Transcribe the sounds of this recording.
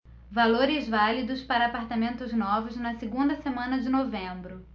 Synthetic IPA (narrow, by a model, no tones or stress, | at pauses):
valoɾɪzvalid̪ʊspaɾɐːpaɾt̪amẽnt̪ʊznɔvʊznɐsiɡũnd̪ɐsemɐ̃nɐd͡ʒɪnovẽbɾʊ